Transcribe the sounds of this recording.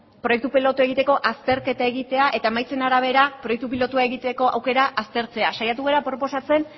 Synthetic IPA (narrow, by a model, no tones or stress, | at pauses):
pɾo̞jek̚t̪upilot̪ue̞ɣ̞it̪e̞ko̞ʔast̪e̞ɾke̞t̪ae̞ɣit̪e̞aʔe̞t̪ae̞majt͡se̞naɾaβ̞e̞ɾapɾo̞jek̚t̪upilo̞t̪uae̞ɣit̪e̞ko̞ʔawke̞ɾaʔast̪e̞ɾt͡se̞asajat̪uɣeɾapɾo̞po̞sat͡se̞n